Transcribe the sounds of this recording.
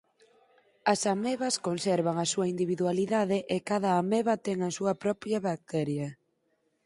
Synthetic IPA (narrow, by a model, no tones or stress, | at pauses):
ɐsameβɐskonsɛɾβaŋɐsuɐind̪iβiðwaliðaðɪʔɪkaðɐːmeβɐt̪ɛŋɐsuɐpɾɔpjɐβak̚t̪ɛɾjɐ